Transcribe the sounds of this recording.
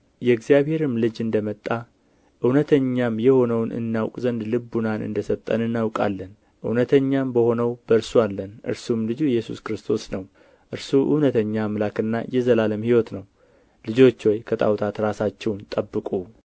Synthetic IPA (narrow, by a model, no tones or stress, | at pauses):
jɛɡzijaβhe̞ɾɨmlɨd͡ʒɨnd̪əmət̪ʼːa | ʔɨwnət̪ʰəɲːamjɛho̞nəwnɨ̰nːawkʼzənd̪lɨbːunanɨ̰nd̪əsəβt̪ʼə̰nɨnːawkʼa̰lːən | ʔɨwnət̪ʰəɲːambəho̞nəwbəɨɾsualːənʔɨ̰ɾsumlɨd͡ʒujɛjːɛsuskɾɨst̪ʰo̞snəw | ʔɨɾsuʔɨ̰wnət̪ʰəɲːamlakɨnːajɛzəlaləmhiwɔt̪nəw | lɨd͡ʒo̞t͡ʃːwɔjkʰət̪ʼa̰wt̪ʰat̪ɾasat͡ʃːɛwnt̪ʼəbːɨkʼu